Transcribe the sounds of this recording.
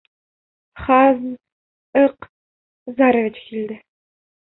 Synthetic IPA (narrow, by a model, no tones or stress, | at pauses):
χɑzn | ɤq | zaɾovʲɪt͡ɕkild̪ɘ